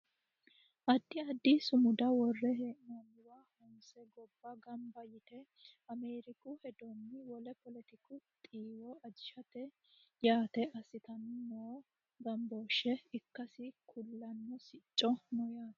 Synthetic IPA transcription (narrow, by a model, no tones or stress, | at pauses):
ʔɐd̪ːɪɐd̪ːisʊmʊd̪ɐwɔrːɛhʔnonːɪwaːhɔnsɛɡɔbːɐɡɐmbɐjɪt̪ɛ | ɐmeːɾɪkʊhɛd̪ɔnːɪwɔlɛpɔlɛt̪ɪkʊt̪ʼiːwɔɐd͡ʒɪʃɐt̪ɛ | jaːt̪ɛʔɐsɪt̪ɐnnoː | ɡɐmboːʃɛɪkːɐsɪkʰʊlːɐnːɔsɪt͡ʃʼːɔnɔjaːt̪